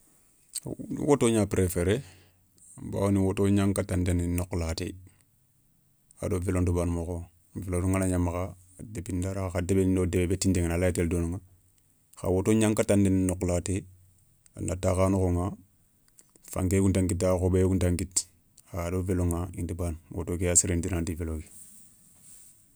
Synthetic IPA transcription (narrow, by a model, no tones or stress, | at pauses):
nḭwotoːɲapɾefeɾe | ba̰ːwoniwotoɲaŋkatandeninoklatḛ | a̰dovelondubaːnmoko | veloduŋanaɲamaka | debindaɾaxadebenindodebebetindeŋnalajiteldonuŋa | xa̰wotoɲaŋkatandeninokːlate | ana̰takaːnuxoŋa | fa̰ŋkekuntaŋkit̬axobekuntaŋkit | adoveloŋaḭndibanwo̰tokeasiɾindiɾaːntiveloki̥